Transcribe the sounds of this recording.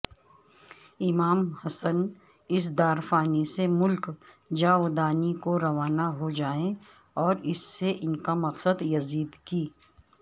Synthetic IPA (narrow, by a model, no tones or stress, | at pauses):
ɪmaːmhɐsən | ɪs̬d̪aːɾfaːnisemʊlk | d͡ʒaːʊd̪aːnikoɾɐʋaːnaɦod͡ʒaːẽ | ɔːɾɪsːeʔɪnkamɐqsəd̪jɐziːd̪kiː